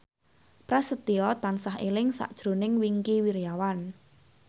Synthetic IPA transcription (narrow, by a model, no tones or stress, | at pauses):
pɾasət̪iɔt̪ansaɦḛlɪŋsa̰ʔd̥ʒ̥ɾo̤nɪŋwiŋkiwiɾijawan